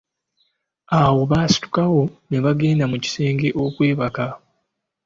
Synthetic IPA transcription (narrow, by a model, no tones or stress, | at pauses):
awo̞βaːsi̥tu̥kawo̞ne̞βaɡe̞ːndamuci̥se̞ːŋɡe̞ʔo̞kwe̞ːβaka